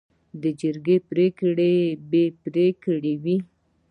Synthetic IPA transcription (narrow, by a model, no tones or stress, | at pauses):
d̪əd͡ʒəɾɡepɾekɽebepɾekɽewi